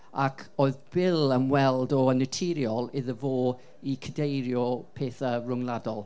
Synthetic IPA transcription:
akʰoːɨðb̥ɪlˠəmwɛlˠdɔənɪtʰɪɾjɔlˠɪðəvoː | ikʰədejɾjɔpʰeːθərʊŋlˠadɔlˠ

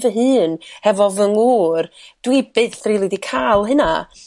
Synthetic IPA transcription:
vəɦɨːnhɛvɔvəŋuːrd̥wibɨːθriːlˠɪdikʰaːlˠɦɨna

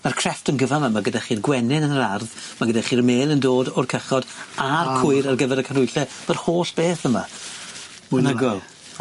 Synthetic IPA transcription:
markʰrɛftənɡəvamamaɡədaχiːrɡwɛnɪnənəɾarðmaɡədaχiːrmeːlˠəndoːdɔrkʰəχɔdarkʰʊɨɾarɡəvɛɾəkʰanʊjɬɛm̥arhoːɬb̥eːθəma̰ | munəɡɔlˠ

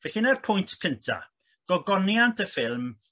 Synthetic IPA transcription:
vɛɬinarpʰʊjntʰkʰəntʰa̰ | ɡ̥ɔɡɔnjantʰəfɪlˠm

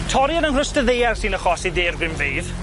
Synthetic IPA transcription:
tʰɔɾjanənr̥əstəðejarsinəχɔsideːrɡɪmviːð

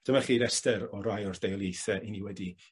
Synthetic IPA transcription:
d̥əmaχiːɾɛstɛɾɔɾajɔrd̥ejlˠjejθɛʔiniwɛdi

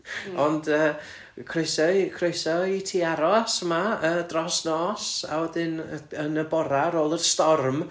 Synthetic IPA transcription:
ɔndəː | kʰrojsɔkʰrojsɔitʰiːaɾɔsəmaədrɔsnɔːsa̰wɛdɪnənəbɔɾaɾoːlˠərstɔrm

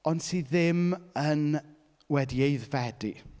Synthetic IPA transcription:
ɔndsiːðɪmən | wɛdiejðvɛdi

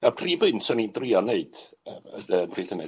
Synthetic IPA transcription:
apʰriːbʊntsɔnindrianeɨd̥ | əpʰriːtʰənɛ

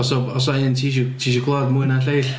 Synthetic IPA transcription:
ɔsɔbɔs̬ɔɪntʰiːʃutʰiːʃukʰlˠɔdmʊɨnaɬejɬ

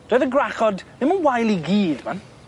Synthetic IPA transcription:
d̥ojðəɡraχɔdnɪmənwajlˠiɡiːdman

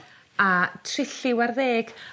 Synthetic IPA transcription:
atʰrɪɬɪwarðeːɡ̥

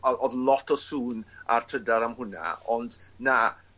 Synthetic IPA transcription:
ɛlˠʔɔðlˠɔtʰɔsuːna̰rtʰədaɾamhʊna̰ɔndna

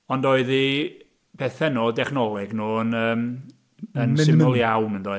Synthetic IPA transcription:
ɔndoːɨði | pʰɛθɛnoːdɛχnɔlˠɛɡnoːənəːm | ənsɪməlˠjawnəndoːɨ

